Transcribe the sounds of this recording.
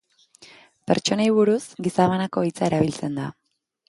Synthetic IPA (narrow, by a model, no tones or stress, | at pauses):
pe̞̰ɾt͡ʃo̞najβuɾusɡisaβanako̞it͡sae̞ɾaβ̞ilt͡se̞nd̪a̰